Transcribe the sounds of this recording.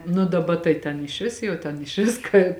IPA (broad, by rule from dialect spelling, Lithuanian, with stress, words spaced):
nʊ dɐˈbɐ tɐɪ tʲɛn ɪʃʲˈʋʲɪs jɛʊ ˈtʲɛn ɪʃʲˈʋʲɪs kɐ